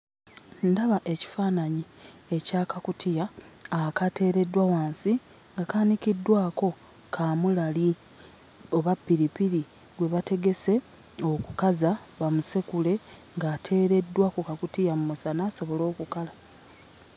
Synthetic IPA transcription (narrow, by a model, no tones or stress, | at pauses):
ndaβaʔe̞ci̥faːnaɲi | e̞caːkakutijaː | kate̞ːɾe̞dːwawaːnsi | ŋɡakaːnikidːwaːko̞ | kʰaːmulali | o̞βapːiɾipiɾi | ɡwe̞βate̞ɡe̞se̞ | o̞ku̥kazaβamuse̞kule̞ŋɡaːtʰe̞ːɾe̞dːwakukakutijamumusanaːso̞βo̞lo̞ːkukala